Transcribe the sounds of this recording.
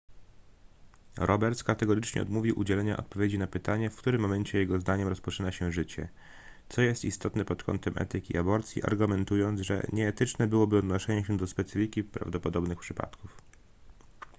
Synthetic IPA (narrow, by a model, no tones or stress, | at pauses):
ɾɔbɛɾt̪kat̪ɛɡɔɾɘt͡ʂɲɛ̰ɔ̰d̪muvʲiwʔud͡ʑɛlɛɲaʔɔ̰t̪̚pɔvʲjed͡ʑinapɘt̪aɲɛfkt̪uɾɘmːɔmɛɲt͡ɕɛjɛɡɔzd̪aɲɛmɾɔspɔt͡ʂɘnaɕɛʐɘt͡ɕɛ̰ | t̪sɔjɛst̪ist̪ɔt̪nɛpɔt̪kʰɔ̰nt̪ɛmʔɛ̰t̪ɘkʲḭʔabɔɾt̪sʲjḭʔa̰ɾɡumɛnt̪ujɔnt̪zʐɛ̰ɲɛːt̪ɘt͡ʂnɛbɘwɔbɘɔd̪nɔʂɛɲɛɕɛd̪ɔspɛt̪sɘfʲikʲipɾa̰vd̪ɔpɔd̪ɔbnɘxpʂɘpa̰t̪kuf